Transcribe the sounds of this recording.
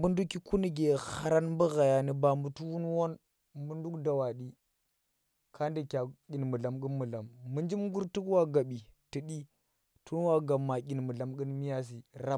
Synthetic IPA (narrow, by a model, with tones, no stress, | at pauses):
mbu˦ndu˦kːi˦ku˦ni˦ɡe˨ha˦ɾa˦nmbə˦ɣa˨ja˨ni˨ba˨mu˨tu˦wu˦nwo˦n | mbu˦ndu˦kda˨wa˨ɗi˦ | kʰa˦ndi˨kʲa˨kʲi˨nmu˨ɮa˨mɡi˦nmu˨la˨mːɨ˦nd͡ʒi˦mɡu˦ɾtu˦kwa˦ɡa˨ɓi˨ti˨ɗi˦ | tʰu˦n˦wa˦ɡa˨mːa˨kʲi˨nmu˨ɮa˨mɡə˦nmi˦ja˦s̬i˨ɾa˦